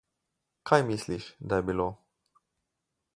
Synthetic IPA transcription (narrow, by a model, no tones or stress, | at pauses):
kʰajmisliʃʲd̪ajbilo